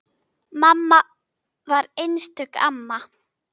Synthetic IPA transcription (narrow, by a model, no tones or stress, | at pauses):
mamːa | vaɾejnst̪ʏka̰mːa